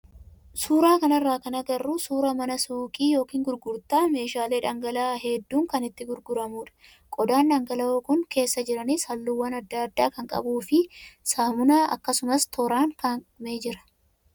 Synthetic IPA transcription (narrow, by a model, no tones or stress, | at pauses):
suːɾaːkɐnɐrːaːkɐnɐɡ̪ɐrːʊsuːɾɐmɐnɐsuːkʼiːjo̞ːkiːŋɡʊɾɡʊɾt̪aːme̞ːʃaːleːᶑɐŋɡɐlaːɦɛd̪ːuːŋkɐnɪt̪ːɪɡʊɾɡʊɾɐmuːᶑɐ̥ | kʼɔd̪aːnᶑɐŋɡɐlɐoːkʊŋke̞ːsːɐd͡ʒɪɾɐnɪshɐlːuːwːɐnɐd̪ːaːd̪ːaːkɐŋkʼɐ̰buːfɪsaːmʊnaːɐ̰kːɐsʊmɐst̪ʰɔɾaːŋkɐme̞ːd͡ʒɪɾɐ̥